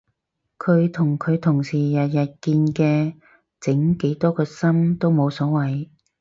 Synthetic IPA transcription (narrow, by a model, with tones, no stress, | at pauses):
kʰɵ˨˧ɥt̪ʰʊ˨˩ŋkʰɵ˨˧ɥt̪ʰʊ˨˩ŋsiː˨˩jɐ˨t̚jɐ˨t̚kiː˧nkɛː˧ | t͡sɪ˨˥ŋke˨˥jt̪ɔː˥kɔː˧sɐ˥mt̪o˥wmo˨˧wsɔː˨˥wɐ˨j